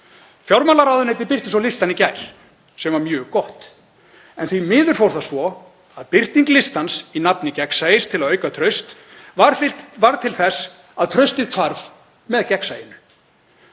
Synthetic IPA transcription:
fjawɾmaːlaɾaːwðʏnhɛjt̪̬ɪpɪr̥t̪ɪsawlɪst̪anicajɾ̥ | sɛmvaɾmjœːɣkɔht̪ | ɛ̰nθvimɪːðʏɾ̥fowɾ̥θasvɔ | aðpɪr̥t̪iŋklɪst̪ansinap̚nɪcɛksaɪst̪ʰɪlaðœːɥjkat̪ʰɾœɥst̪ | vaɾvaɾt̪ʰɪlθɛs | aðt̪ʰɾœɥst̪ɪðkʰaɾv | mɛðcɛksajɪnʏ̥

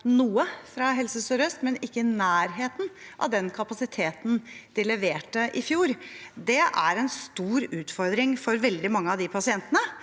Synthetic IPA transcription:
nuːəfɾɑɦɛlsəsœɾœst̪mɛnɪkːənæːɾɦeːt̪n̩ʔɑ̰ʋd̪ɛnkʰɑpɑsɪt̪ʰeːt̪n̩d̪̥ɪlɛʋeːʈːəʔɪfjuːɾd̪ɛʔæɾɛnst̪uːɾʉːt̪fɔɾd̪ɾɪŋfɔɾʋɛld̪ɪmɑŋːəɑʋd̪ɪpʰɑsɪɛnt̪ənə

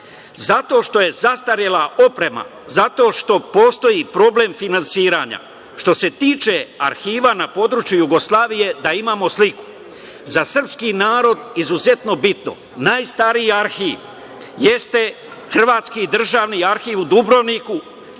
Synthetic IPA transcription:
zat̪o̞ʃt̪o̞je̞zast̪aɾjelao̞pɾe̞ma̰ | zat̪o̞ːʃt̪o̞po̞ːst̪o̞jipɾo̞ble̞mfinansiːɾaɲa̰ | ʃt̪o̞se̞t̪iːt͡ʃe̞a̰ɾxiːʋanapo̞d̪ɾut͡ʃjujuɡo̞slˠaːʋije̞d̪aimaːmo̞sliku̥ | zasr̩pskinaːɾo̞d̪izuze̞t̪no̞bit̪no̰ | naːjst̪aɾiaɾxiːʋ | jest̪e̞ | xr̩ʋaːt̪skiːd̪r̩ʒaːʋniaɾxiːʋud̪ubɾo̞ʋniku

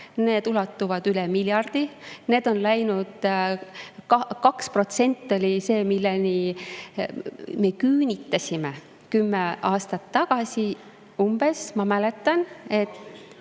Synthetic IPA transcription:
ne̞ːd̪ulɑt̪ːuvɑd̪ylɛmiljɑrd̪̥ine̞ːd̪̥o̞nlæjnud̪̥ | kkɑkspro̞t̪se̞nʲt̪ːˑo̞lʲise̞ːmilːeni | me̞kyːnʲit̪ːˑɑsʲime | kymːeɑːst̪ɑt̪ːɑɡ̥ɑsʲi | umb̥e̞smɑmæle̞t̪ːˑɑne̞t̪ː

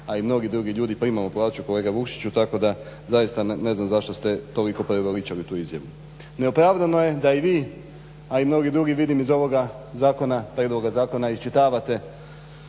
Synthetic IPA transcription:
aimno̞ɡid̪ɾuɡiʎuːd̪ipɾiːmamopoadt͡ʃuko̞le̞ːɡaʋukʃi̥t͡ɕut̪ako̞d̪a | zajist̪ane̞znamzaʃt̪o̞st̪e̞t̪o̞liko̞pɾeoɡolit͡ʃalit̪uːizja̰ʋu | neo̞pɾaːʋd̪ano̞jed̪aiʋiː | aimno̞ɡid̪ɾuɡiʋid̪imizo̞ʋo̞ɡa | zaːko̞napɾed̪lˠoɡazaːko̞naist͡ʃit̪aːʋat̪e̞

